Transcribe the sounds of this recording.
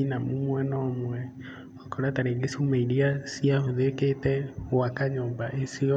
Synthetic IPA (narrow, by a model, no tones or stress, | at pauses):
inamumwɛnɔːmwɛ | ɔkɔɾataɾeŋɡesumaiɾiasiahoðeketɛwakaɲoːmbaʔesiɔ